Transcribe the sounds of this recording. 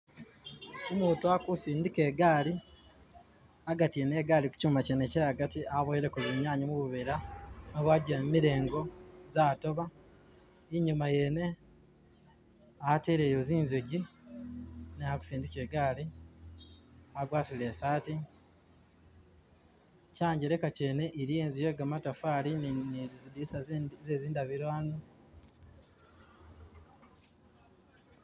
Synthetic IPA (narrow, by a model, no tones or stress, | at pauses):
omuːtuakusiːndikeːɡaːli | aɡatieneɡaːliku̥cuːmacenecajaɡatiaβojeɾekuβiɲaːɲimuβuβeɾanoβwaːɟiɾammiɾe̞ːŋɡo̞zaːto̞βa | iɲumaje̞ne | ateːɾeːjoziːnzeɟi | neaku̥siːndiceɡaːli | aɡwaːtile̞ːsaːti | caːɲɟeɾe̞kace̞ːne̞ʔiɾijeːnzije̞ːɡamatafaːli | idisazeziːndaβiɾwaːnu